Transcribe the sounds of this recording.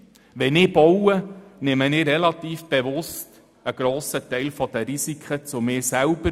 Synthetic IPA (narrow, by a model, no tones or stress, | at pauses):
ʋɛnɪːb̥ɔwənɪmənɪːɾɛlɑt̪iːfb̥eʋʊst | əɡ̥ɾoːsətɛɪlfɔd̥̪əɾisikʰχət͡sʊmɪːsælb̥ə